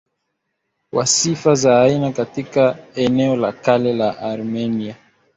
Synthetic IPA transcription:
wasifazaːinakatikaɛnɛɔlakalɛlaʔaɾmɛnia

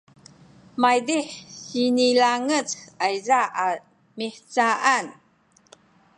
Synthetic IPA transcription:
majdiħɕinilaŋət͡sajzaʔa | miħt͡saʔan

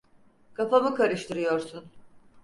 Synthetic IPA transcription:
kʰafamɯkʰaɾɯʃt̪ɯɾɯjo̞ɾsun

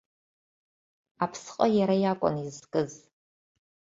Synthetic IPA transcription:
apʰsqʼajaɾajakʷʼʊ̰nizkʼɨz

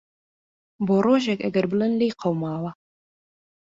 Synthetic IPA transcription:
boːroːʒɛkɐɡɐɾbɨlɨnlejqʰɐwmaːwɐ

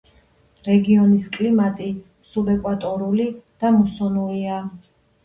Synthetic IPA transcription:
ɾɛɡiɔniskʼlimat̪ʼi | subɛkʼwat̪ʼɔɾulid̪̥amɔsɔnulia

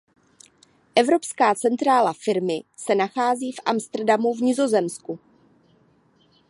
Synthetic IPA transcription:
ʔɛvɾo̞pskaːt͡sɛnt̪ɾaːlafɪɾmɪsɛnaxaːziːfʔa̰mst̪r̩damuvɲɪzo̞zɛmsku

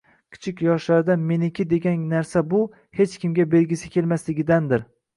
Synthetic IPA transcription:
kʲʰɪ̥t͡ʃʰɪkʲjɒʃlaɾd̪ame̞nɪkʲʰɪd̪e̞ɡʲannaɾsabʊ | he̞t͡ʃkʲɪmɡʲabe̞lɡʲɪsɪkʲʰe̞lmaslɪɡʲɪd̪and̪ɪɾ

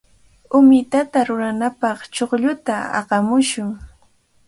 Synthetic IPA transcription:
ʊmɪt̪at̪aɾʊɾanapɑχt͡ʃoχʎʊt̪aɑ̰ɢɑmʊʃʊŋ

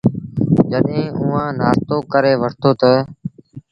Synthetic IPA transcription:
d͡ʒəɗɦẽːʔʊ̃ːãːnaːst̪oːkəɾeːʋəʈt̪oːt̪ə

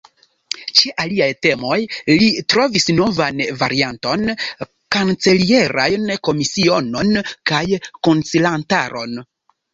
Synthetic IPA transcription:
t͡ʃeʔaliajte̞mo̞jlitɾo̞visno̞vanva̰ɾianto̞n | kant͡se̞lie̞ɾa̰jnko̞misiono̞nkajko̞nt͡silanta̰ɾo̞̰n

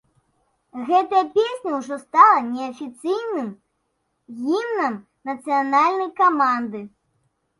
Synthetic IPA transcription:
ɣɛt̪ɐjɐpʲesʲnʲɐwʐɔst̪alˠɐnʲɛɐfʲit̪sɨjnɨm | ɣʲimnɐm | nɐt̪sɨjanalʲnɐjkamand̪ɨ

